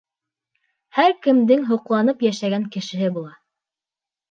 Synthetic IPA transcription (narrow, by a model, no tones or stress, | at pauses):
hæɾkɘ̆md̪ɘŋɦŏqlˠɑnɤpjæʃæɡæŋkɘ̆ʃɘ̆ɦɘbulˠɑ